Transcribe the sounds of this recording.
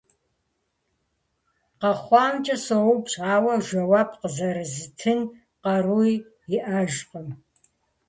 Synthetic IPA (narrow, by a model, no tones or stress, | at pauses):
qɐχʷɑːmt͡ʃʼɐsɐwupɕʼaːwɐʒʷɐwaːpʰqəzɐɾɨzɨtʰɨn | qɐruj | ɪʔɐʒqʼəm